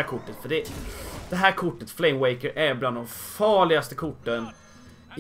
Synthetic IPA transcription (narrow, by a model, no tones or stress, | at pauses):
kʰʊʈːət̪fœɖɛd̪̥ɛɦæːɾkʰʊʈːət̪flɛɪmwɛɪkəɾʔæɾbland̪ɔmfɑːɭɪɡast̪əkʰʊʈːən